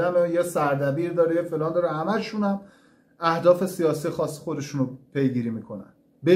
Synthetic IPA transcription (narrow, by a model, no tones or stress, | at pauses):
æmejesæɾd̪æbiːɾd̪ɒːɾejefelɒːnd̪ɒːɾehæmæʃunæm | æhd̪ɒːfe̞sijɒːsijexɒːsːi̥xod̪e̞ʃunopʰe̞jɡiːɾiːmiːkʰo̞næ̰n | be